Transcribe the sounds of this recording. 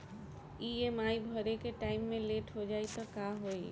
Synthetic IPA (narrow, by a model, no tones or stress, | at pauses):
iemaːibʱəɾekeʈaːɪmːẽleːʈɦod͡ʒaːit̪okaɦoi